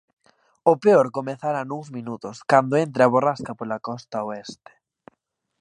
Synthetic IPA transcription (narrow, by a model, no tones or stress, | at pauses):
ʊpeɔɾkomeθaɾanuŋzmĩnut̪ʊskand̪oent̪ɾeaβoraskapolakɔst̪aoɛst̪e̥